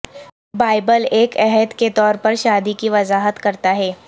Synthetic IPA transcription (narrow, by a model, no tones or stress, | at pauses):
baːɪbəleːkɛɦəd̪ket̪ɔːɾpɐɾʃaːd̪ikiʋɐzaːɦət̪kɐɾt̪aɦɛː